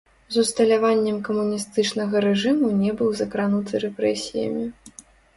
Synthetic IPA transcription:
zust̪ɐlʲavanʲːɛmkɐmunʲist̪ɨt͡ʂnɐɣɐɾɛʐɨmunʲɛbɨwzɐkɾanut̪ɨɾɛpɾɛsʲijɐ̰mʲi

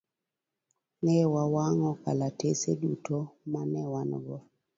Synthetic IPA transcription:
nɛwawaŋɔka̰latesedutomanɛwan̰ɡɔ

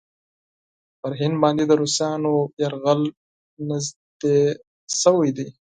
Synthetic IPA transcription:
pəɾɦɪnd̪bɑːnd̪ed̪əɾusɑːnojaɾɣəl | nɪzd̪̥e | səwajd̪ij

